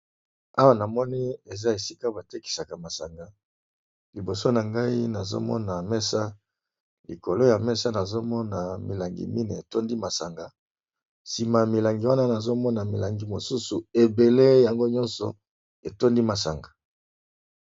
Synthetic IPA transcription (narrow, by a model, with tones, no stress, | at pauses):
a˦wa˦na˨mɔ˦ni˦e˨za˦e˨si˦ka˦ba˨te˦ki̥˨sa˨ka˨ma˨sa˨ŋɡa˨ | li˨bo˨so˦na˨ŋɡa˦i˦na˨zo̰˦mɔ̰˦na˨mɛ˦sa˦ | li˨ko˨lo˦ja˨mɛ˦sa˦na˨zo˦mɔ˦na˨mḭ˨la˨ŋɡḭ˨mi˦ni˨e˨to˦ndi˦ma˨sa˨ŋɡa˨ | si˨ma˨mi˨la˨ŋɡi˨wa˦na˦na˨zo˦mɔ˦na˨mi˨la˨ŋɡi˨mo˨su˦su˨e˨be˨le˦ja˨ŋɡo˦ɲɔ˦nsɔ̰˨ | e˨to˦ndi˦ma˨sa˨ŋɡa˨